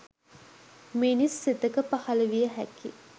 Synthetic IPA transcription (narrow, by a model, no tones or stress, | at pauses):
minisːet̪əkəpahaləʋijəɦæ̰ki